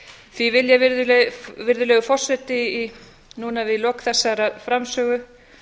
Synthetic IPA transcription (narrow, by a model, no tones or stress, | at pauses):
θvivɪljavɪɾðʏlɛɣvɪɾðʏlɛːɣʏfɔr̥sɛt̪ɪː | nunavɪðilɔːkθɛsːaɾaðfɾamsœːɣʏ